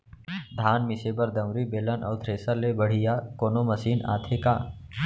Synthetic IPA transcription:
d̪ʱaːnmɪseːbɐɾd̪ɐ̃wɾibeːlənʔɔ̰ːd̪ʰʱɾeːsəlebəɽ̤ijaːkoːnomɐsiːna̰ːt̪ʰekaː

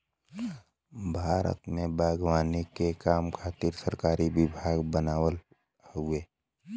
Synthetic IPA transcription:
bʱaːɾə̰t̪mẽbaːɡwaːnikekaːmkʰaːt̪iɾsəɾkaːɾiwɪbʱaːɡbənaːwəl | ɦʊeː

